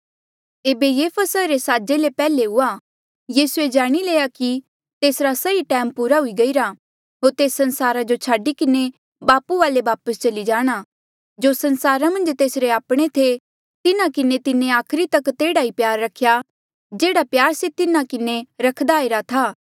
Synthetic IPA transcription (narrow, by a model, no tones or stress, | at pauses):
eːbejeːfʰɐsəɾesaːd͡ʒelepɛːleɦʊa | jiːsued͡ʒaːɽ̃ileːaki | t̪eːsɾasɐiʈɛ̃ːmpuːɾaɦʊiɡɐiɾa | ɦoːɾt̪eːsːɐ̃nsaːɾad͡ʒot͡ʃʰaːɖikɪne | baːpuʋaːlebaːpəst͡ʃɐlid͡ʒaːɽ̃a | d͡ʒoːsɐ̃nsaːɾamɐ̃nd͡ʒt̪eːsɾeaːpɽ̃et̪ʰe | t̪ɪnãkɪnet̪ɪneaːkʰɾit̪ɐkt̪eːɽaipjaːɾːɐkʰja | d͡ʒeːɽapjaːɾset̪ɪnãkɪneɾɐkʰd̪aːiɾat̪ʰaː